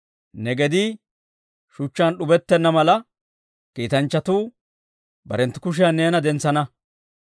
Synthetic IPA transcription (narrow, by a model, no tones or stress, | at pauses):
nɛɡɛd̪ɪ | ʃʊt͡ʃːanɗʊbɛt̪ːɛnːɐmɐlɐ | kiːt̪ɐnt͡ʃːɐt̪uː | bɐ̰ɾɛnt̪ːɪ̥kʊʃ̬ɪjanːeːnɐd̪ɛnt͡sːɐnɐ